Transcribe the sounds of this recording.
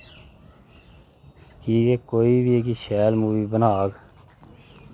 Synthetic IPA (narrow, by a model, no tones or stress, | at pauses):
kiːkeːkoːiːbieːkiʃɛːlmuːʋiːbənaːɡ